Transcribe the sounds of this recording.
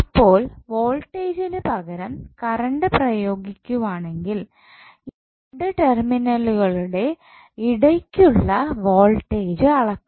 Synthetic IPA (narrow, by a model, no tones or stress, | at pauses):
ipːo̞ːlʋoːlʈːeːd͡ʑilɨpɐɣɐɾɐmkɐɾɐɳɖɨprɐjo̞ːɡikʲːuʋaːɳe̞ŋɡil | i | ɽɨʈerminɐluɣɐɭuɽe̞ | iɽɐkʲːuɭːɐʋoːlʈːeːd͡ʑɨɐɭɐkː